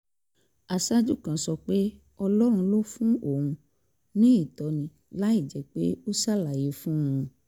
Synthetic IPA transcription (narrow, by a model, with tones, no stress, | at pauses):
a˨sa˦d͡ʒu˦˨kã˨sɔ˧k͡pe˦ | ɔ˧lɔ˦ɾ̃ũ˧lo˦fũ˦õ˦˨ũ˧ | nĩ˦i˦˨tɔ˨˧nĩ˧ | la˨˦i˦˨d͡ʒɛ˨k͡pe˦o˦sa˦˨la˨je˨˦fũ˦˨ũ˧